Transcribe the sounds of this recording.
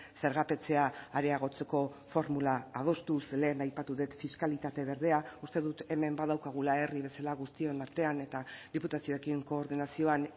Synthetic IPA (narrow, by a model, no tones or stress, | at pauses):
se̞ɾɣ̞ape̞t͡se̞aːɾe̞aɣ̞o̞t͡se̞ko̞fo̞ɾmulaːð̞o̞st̪usle̞ːnajpat̪uðe̞t̪fiskalit̪at̪e̞βe̞ɾðe̞aust̪e̞ðut̪e̞me̞mbað̞awkaɣ̞ulae̞riβe̞salaɣust̪io̞naɾt̪e̞ane̞t̪aðiput̪asio̞e̞kiŋko̞ːɾðinasio̞an